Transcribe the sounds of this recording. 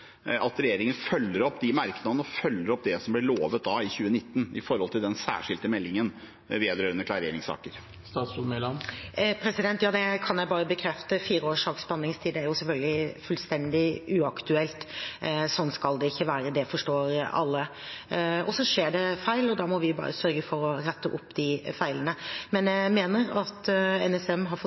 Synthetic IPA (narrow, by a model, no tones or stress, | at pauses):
ʔɑt̪ɾɛjeːɾɪŋənfœlːəɾɔpːd̪ɪmɑɾknɑd̪ən̩ɔfœlːəɾɔp̚ːd̪ɛsɔmblɪɭoːʋət̪̚d̪ɑɪçʉːənɪt̪ːən̩ɪfɔɾhɔlt̪ʰɪld̪ɛnsæ̰ːʂɪlt̪əmɛlːɪŋən | ʋeːd̪ɾøːɾənəkʰlɑɾeːɾɪŋsɑ̰ːkəɾ | st̪ɑːt̪sumelɑmpʰɾɛsɪd̪ɛnt̪jɑːd̪ɛkʰɑnjæɪbɑːɾəbəkʰɾɛft̪əfiːɾəoːʂɑːksbɑnːɪŋst̪ʰiːd̪ɛæɾjʊsɛlfœlɡəlɪfʉlst̪ɛnd̪ɪʉːɑkt̪ʉɛlt̪sɔnːskɑld̪ɛɪçːəʋæːɾəd̪ɛfɔʂʈoːɾɑ̰lːə | ɔsɔʂeːɖɛfæɪlɔd̪ɑːmɔʋɪjbɑ̰ːɾəsœɾɡəfɔɾɔɾɛt̪ːəʔʊpːd̪ɪfæɪlənəmɛnjæɪmeːnəɾɑt̪ɛnɛsɛmɦɑɾfɔ